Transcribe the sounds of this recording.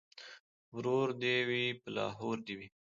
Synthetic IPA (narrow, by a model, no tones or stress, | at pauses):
wɾoɾd̪ewipəlɑ̰ːɦoɾd̪iwi